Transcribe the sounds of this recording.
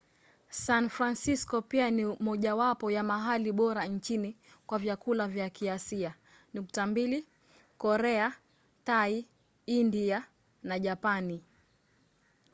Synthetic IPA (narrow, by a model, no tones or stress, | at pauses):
sanfɾansiskɔpianimɔʄawapɔjamaɦaliɓɔɾaɲt͡ʃini | kwavjakulavjakiasia | nuktambili | kɔɾɛa | tai | india | naʄapani